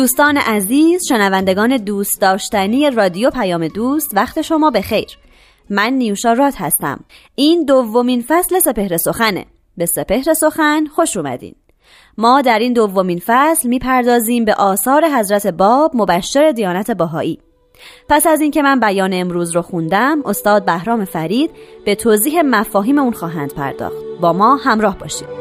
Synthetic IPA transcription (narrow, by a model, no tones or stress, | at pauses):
d̪uːst̪ɒːnḛʔæziːz̥ʃe̞nævænd̪e̞ɡɒːne̞d̪uːst̪̚d̪ɒːʃt̪ænije̞rɒːd̪ijopʰæjɒːme̞d̪uːst̪væxt̪ʰeʃo̞mɒːbe̞xe̞jɾ | mænːijuʃɒːɾɒːt̪ʰhæ̰st̪æ̰m | iːnd̪ovːo̞miːnfæsle̞se̞pe̞hɾe̞so̞xænḛ | be̞se̞pe̞hɾe̞so̞xænxo̞ʃuːmæ̰d̪ḭːn | mɒːd̪æɾiːnd̪ovːo̞minfæslmiːpʰæɾd̪ɒːziːmbe̞ʔɒːsɒːɾe̞ɦæzɾæt̪ʰe̞bɒːbmo̞bæʃːe̞ɾe̞d̪ijɒːnæt̪ʰe̞bæɦɒ̰ːʔiː | pʰæsæziːncʰe̞mænbæjɒːneːmɾuːzɾoxund̪æmo̞st̪ɒːd̪̚bæhɾɒːmefæɾiːd̪̥̚b̥e̞t̪ʰoːziːɦe̞mæfɒːɦiːme̞uːnxɒːɦænd̪̥̚pʰæ̰ɾd̪ɒ̰ːxt̪bɒːmɒːhæmɾɒːhbɒ̰ːʃḭːd̪̥